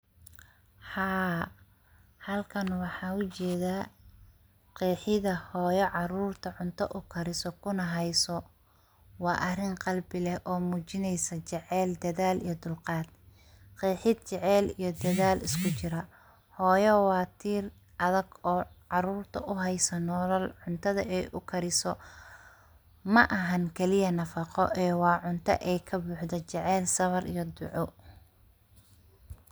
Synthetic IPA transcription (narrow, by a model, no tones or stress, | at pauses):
hɑː | hɐlkʰɐnwɑħɑːʊt͡ʃɛːðaː | qiːħɪðɐhɔːjɔʕɑɾuːrt̪ʰɐʕʊnt̪ʰɐ̰ʔʊkʰɐɾɪsɔkʰʊnɐɦɛjsɔ | wɑːʔɐrɪŋqɑlbɪlɛhʔɔːmuːt͡ʃɪnɛjsɐt͡ʃɛʕɛːld̪ɐðaːlijɞd̪ʊlqɑːd̪̥̚ | qiːħɪd̪̚t͡ʃɛʕɛːlijɞd̪ɐðaːlɪskʰʊt͡ʃɪɾɐ | hɔːjɔwɑːt̪ʰiːr | ʔɐðɐɡɔːʕɑɾuːrt̪ʰɐʔʊɦɛjsɐnɔːlɐlʕʊnt̪ʰɐðɐ̰ʔɛjʔʊkʰɐɾɪsɔ | mɐʔɐɦɐnkʰɛlɪjɐnɐfɑqɔ̰ʔɛːwɑːʕʊnt̪ʰɐ̰ʔɛjkʰɐbuːħd̪ɛt͡ʃɛʕɛːlsɐβɐɾḭjɞd̪ʊʕʊ